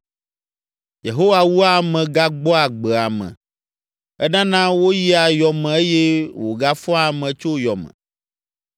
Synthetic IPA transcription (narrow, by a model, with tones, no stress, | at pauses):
je˨ɦo˦wa˦˨wu˦a˦mɛ̃˨ɡa˦ɡ͡bɔ˦a˨ɡ͡bɛ˨a˨mɛ̰̃˨ | ɛ˦nã˦nã˦wo˦ji˦a˨jɔ˨mɛ̃˨e˦jɛ˦wo˨ɡa˦fɔ̃˦a˨mɛ̃˨t͡ʃo˦jɔ˨mɛ̰̃˨